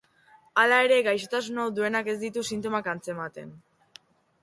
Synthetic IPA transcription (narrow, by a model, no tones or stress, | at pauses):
alae̞ɾe̞ɡajʃ̬o̞t̪asunawd̪ue̞nake̞zd̪it̪usint̪o̞makant͡se̞mat̪e̞̰n